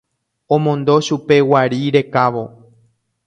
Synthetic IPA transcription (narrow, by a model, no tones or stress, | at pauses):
õmõ̞nd̪o̞ʃupe̞waɾiɾe̞kaʋo̞